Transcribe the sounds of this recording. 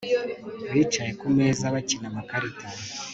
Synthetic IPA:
βiːt͡ʃaje̞kumeːzaβacinamakaɾita

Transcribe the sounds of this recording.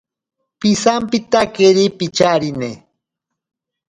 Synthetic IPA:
pisampɪt̪akeɾipit͡ʃaɾinḛ

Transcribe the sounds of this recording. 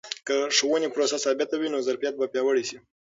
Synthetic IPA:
kəʂwənepɾosasɑbjat̪awinozaɾfijat̪̚bapjɑwəɽisi

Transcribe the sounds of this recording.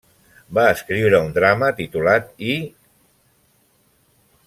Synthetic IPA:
baəskɾiwɾəund̪ɾamət̪it̪ulat̪i

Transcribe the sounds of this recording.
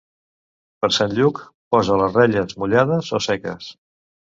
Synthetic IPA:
pəɾsanʎuk | pɔzələzrɛʎəzmuʎaðəzosɛkə̰s

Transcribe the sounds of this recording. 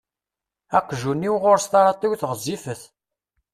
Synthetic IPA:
æqːʒunːiwʁʊɾst̪ɑɾˤɑt̪ˤiwθəʁzifəθ

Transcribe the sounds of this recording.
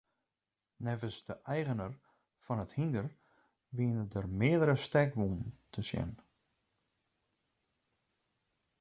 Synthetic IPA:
nɛvəsdəʔɛjɣənər | fɔnəthindər | ʋiənədərmɪədəɾəstɛkʋunn̩tʰəsjɛ̰n

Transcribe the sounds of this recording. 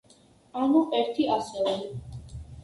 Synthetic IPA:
anuʔɛɾt̪ʰiasɛlɛ

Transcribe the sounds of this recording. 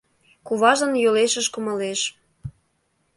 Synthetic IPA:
kuβɑʒə̆njoleʃəʃkumɤ̆leʃ

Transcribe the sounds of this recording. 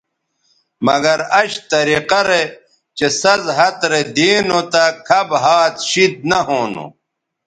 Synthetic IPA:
mɐɡɐɾɐɕt̪ɐɾiqɐɾe | t͡ɕesɐzɦɐt̪ɾed̪iːnot̪akʰɐbɦaːt̪ɕid̪̚nɐɦoːno̰

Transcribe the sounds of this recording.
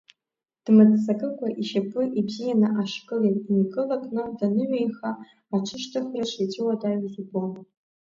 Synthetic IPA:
d̥mɨt͡sʼsakʼɨkʷʼaʔiʃapʷʼɨʔibzijanɨʔaʂkʼɨleiniɡʼɨlakʼnɨdanɨʕʷejχaː | ʈ͡ʂʷʰɨʃtʰɨχraʃʰʷet͡ʃʼɪwadajizibom

